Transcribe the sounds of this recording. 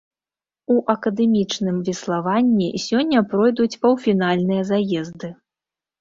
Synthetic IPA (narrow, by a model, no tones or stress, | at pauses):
uʔɐkɐd̪ɛmʲit͡ʂnɨmvʲɛslˠavanʲːisʲɔnʲːɐpɾɔjd̪ut͡sʲpɐwfʲin̪alʲnɨjɐzajɛzd̪ɨ